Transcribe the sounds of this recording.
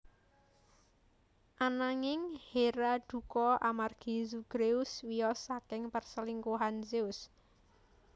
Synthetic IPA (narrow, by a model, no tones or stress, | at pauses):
ʔanaŋɪŋheɾad̪̥ṳkɔʔamarɡ̥izuɡ̥ɾeʊswiɔsakɪŋpərsəliŋkuɦanseʊs